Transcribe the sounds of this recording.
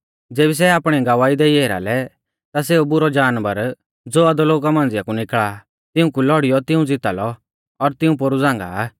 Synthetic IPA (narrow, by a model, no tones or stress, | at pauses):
d͡zeːbis̬ɛaːpɽ̃iɡɐʋaːid̪eieːɾa̰lɛ | t̪as̬eːubʊɾɔd͡ʒaːnʋəɾ | d͡zoːɐd̪ɔloːkamãːnd͡zɪjakunɪkɭa | t̪ɪũkulɔɽijɔt̪ɪũd͡zɪt̪alɔ | ɔɾt̪ɪũpoɾud͡zãːŋ̆ɡa̰